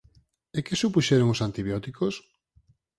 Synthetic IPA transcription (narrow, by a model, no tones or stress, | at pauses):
ekɪsupuʃeɾoŋosant̪iβjɔt̪ikos